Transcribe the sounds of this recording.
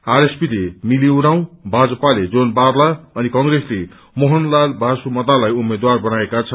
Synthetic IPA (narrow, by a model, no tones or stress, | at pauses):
aɾespilemiliuɾaw̃bʱad͡zʌpaled͡zonbarlaʌnikʌŋɡresle | moɦʌnlalbʱasumʌt̪alajumed̪warbʌnaekat͡sʰʌ